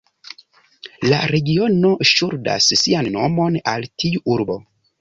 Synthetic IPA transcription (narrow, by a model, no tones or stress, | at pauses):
la̰ɾe̞ɡio̞noʃuɾda̰ssianːo̰mo̞naltʰiuʔuɾbo̰